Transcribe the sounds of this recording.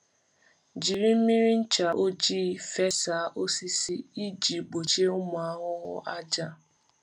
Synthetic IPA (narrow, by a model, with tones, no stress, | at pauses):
d͡ʒi˨ɾi˦m̩˦mi˦ɾi˦n̩˦t͡ʃa˨ʔo˦d͡ʒiː˦˨fe˦sa˨˦ʔo˦si˦si˦i˦d͡ʒi˨ɡ͡bo˨t͡ʃe˦o˦mʊ˨a˦ɦʊ˦ɦʊ̰˦ʔa˦d͡ʒa˦